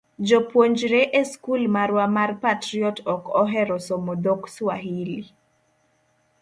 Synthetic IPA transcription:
d͡ʒopwoɲd͡ʒɾeʔeskulmaɾwamarpatɾiɔtɔkɔɦɛɾɔsomod̪okswaɦili

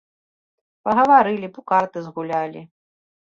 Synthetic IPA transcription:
pɐɣɐvaɾɨlʲipukart̪ɨzɣulʲalʲḭ

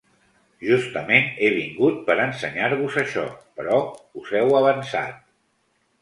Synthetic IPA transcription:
ʒust̪əmeneβiŋɡut̪̚pəɾənsəɲaɾβuzəʃɔ̰pəɾɔuzɛwəβ̞ənsa̰t̪̚

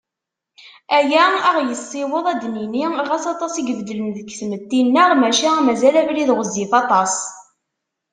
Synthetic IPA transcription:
æjæəʁjəsˤːɪwəðˤæd̪niniʁæsɑt̪ˤɑsiɡəvd̪ələnðəkːθmət̪ːinːəʁmæʃæmæzælævliðʁəzːifɑt̪ˤɑs

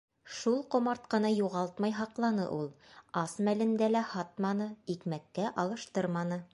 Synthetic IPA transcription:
ʃulˠqŏmɑɾt̪̚qɤ̆nɑjuʁɑlˠt̪mɑjɦɑqlˠɑnɤ̰ʔulˠɑsmælɘ̆nd̪ælæhɑt̪̚mɑnɤikmækːæʔɑlˠɤ̆ʃt̪ɤɾmɑnɤ

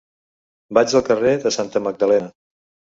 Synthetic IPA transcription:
bad͡ʒzəlˠkəreðəsant̪əməɡ̚d̪əlɛnə

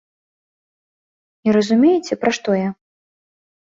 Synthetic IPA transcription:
iɾɐzumʲejɛt͡sʲɛpɾaʂt̪ɔjɐ

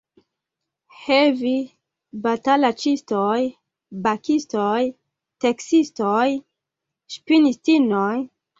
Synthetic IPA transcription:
hevi | batalat͡ʃistoj | bakistoj | teksistoj | ʃpinistinoj

